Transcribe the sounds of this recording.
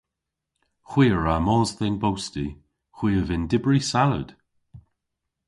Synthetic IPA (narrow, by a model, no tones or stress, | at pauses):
xw̥iːəɹamɔːzðenbowsti | xw̥iːəvɪndɪbɹisalə̰d̥